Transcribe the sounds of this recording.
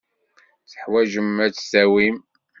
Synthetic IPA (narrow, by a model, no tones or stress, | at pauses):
t͡sə̥ħwæʒəmæt͡sːsæwim